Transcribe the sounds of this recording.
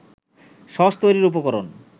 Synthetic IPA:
ʃɔʃt̪ojɾiɾup̬okɔɾon

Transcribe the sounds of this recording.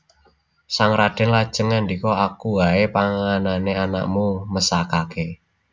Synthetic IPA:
saŋɾaɖ̥ɪnlad̥ʒ̥ə̤ŋand̪ikɔakuwaepaŋananeana̰ʔmuməsakake

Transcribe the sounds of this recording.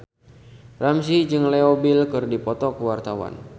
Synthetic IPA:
rams̬id͡ʒɨŋlɛobilkɨrdipɔt̪ɔkəwart̪awa̰n

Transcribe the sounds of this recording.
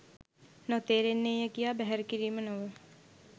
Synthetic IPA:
not̪eːɾenːejjəkijaːbɛɦɛɾəkiɾiːmənoʋə

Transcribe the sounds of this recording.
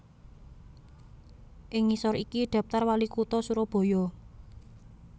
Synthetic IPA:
ʔɪŋːisɔɾikiɖ̪̥a̤p̚t̪arwalikut̪ɔsuɾɔb̥o̤jɔ

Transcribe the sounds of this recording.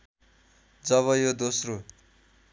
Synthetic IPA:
d͡zʌβʌjod̪osro

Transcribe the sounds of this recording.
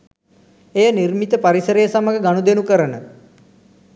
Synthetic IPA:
ejənirmit̪əpaɾisəɾəjəsaməɦəɡanud̪enukəɾənə

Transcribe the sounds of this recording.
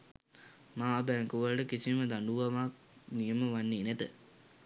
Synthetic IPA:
maːbæŋkuʋəlʈəkisiməd̪anɖuʋamak̚ | nijəməʋanːeːnæt̪ə

